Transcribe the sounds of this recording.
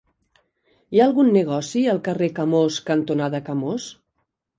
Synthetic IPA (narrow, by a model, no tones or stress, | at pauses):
jaəlˠɣunːəɣ̞ɔsiəlˠkərekəmoskənt̪unaðəkəmos